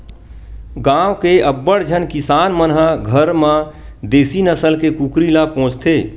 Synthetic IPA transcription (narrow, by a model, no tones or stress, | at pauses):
ɡãːwkeəbːəɽd͡ʒʱənkɪsaːnmənɦəɡʱəɾmãd̪eːsinəsəlkekukɾilapõːt͡ʃt̪ʰeː